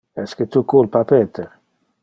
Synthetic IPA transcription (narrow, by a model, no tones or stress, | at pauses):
ɛsket̪ukulpapeːt̪ʰeɾ